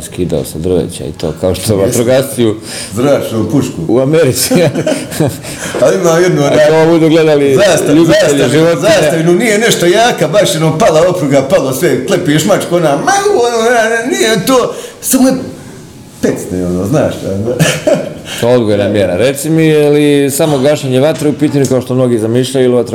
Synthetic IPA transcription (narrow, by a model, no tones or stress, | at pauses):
skiːd̪a̰o̰sed̪ɾʋḛt͡ɕa̰ḭt̪oːkaoʃt̪oat̪ɾoɡast̪iju | zd̪ɾaːt͡ʃnuːpuʃkṵuameɾit̪si | alimaːjed̪noaobud̪uɡled̪aliaːsaʎubzaːseʎaʒiʋot̪ziːsaʋinonijene̞ʃt̪ajaːkabaʃjenopalˠaopɾuɡapalˠosʋeklˠepieʃmat͡ʃkoonamauonoːnaniet̪oːsamoe | pet̪sneonoːznaːʃt̪a̰a | t̪ood̪ɡojenamjeɾa̰ɾet̪simiilisamoɡaʃɲeɲeʋat̪ɾeupiːt̪aɲukaoʃt̪o̞mno̞ɡiːzamiːʃʎajuiliʋat̪ɾ